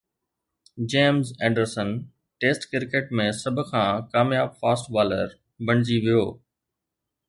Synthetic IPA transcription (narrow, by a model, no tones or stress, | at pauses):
d͡ʑeːmzẽːɳɖəɾsən | ʈeːsʈkɪɾkeːʈ̚mẽsɐbʱʊkʰãːkaːmjaːbfaːsʈbaːlə̰ɾ | bɐɽ̃ɪd͡ʑiʋijoː